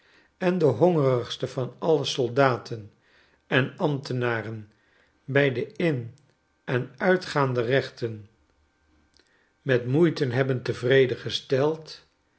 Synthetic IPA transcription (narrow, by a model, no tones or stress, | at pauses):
ɛndəɦɔŋərəχstəvɑnɑləsɔlˠdaːtʰən | ɛnɑmtənaːrən | bɛjdəɪn | ɛnœɥtχaːndərɛχtən | mɛtmujtənɦɛbəntəvrejdəχəstɛlˠt